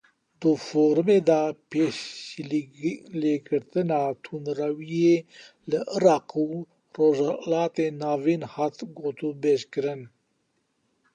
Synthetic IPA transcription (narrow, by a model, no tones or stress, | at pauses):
d̪ufoɾmed̪apeɕ | leɡəɾt̪ənat̪ʰunɾawie | ləʔəɾaqu | ɾozalaːt̪enaːvinhat̪ɡot̪ubeɕkəɾən